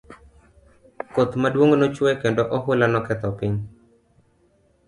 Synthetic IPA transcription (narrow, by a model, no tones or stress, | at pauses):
kot̪madwoŋnot͡ʃwɛkendoʔɔɦʊlanɔkɛt̪ɔpiɲ